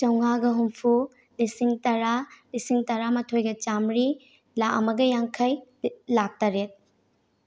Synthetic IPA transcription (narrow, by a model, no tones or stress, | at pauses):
t͡ʃɐwŋaɡɐɦumpʰu | lisiŋtɐɾalisiŋtɐɾamɐtʰojɡɐt͡ʃamɾi | laʔɐ̰mɐɡɐjaŋkʰɐjlak̚taɾet̚